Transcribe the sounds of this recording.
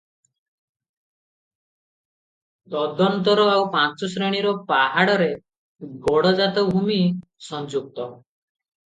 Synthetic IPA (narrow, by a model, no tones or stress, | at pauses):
d̪ɔd̪ɔnt̪ɔɾɔawpat͡ʃɔsɾɔɽ̃iɾɔpaɦaɽɔɾe | ɡɔɽɔd͡ʒat̪ɔbʱumisɔnd͡ʒuk̚t̪ɔ